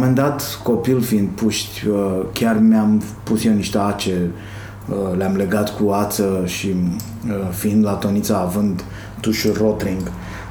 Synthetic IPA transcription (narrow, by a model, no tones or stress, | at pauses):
mend̪at̪ko̞pilfiind̪̚puʃt̪ʲəkʲarmeampusjeniʃt̪eat͡ʃe | əleamleɡat̪kuat̪səʃi | əfiind̪lat̪onit̪saːvɨnd̪ | t̪uʃulrot̪ɾiŋɡ